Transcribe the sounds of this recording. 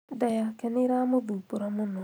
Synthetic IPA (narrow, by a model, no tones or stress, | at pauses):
d̪ɐjakɛniɾaːmuduːpuɾamunu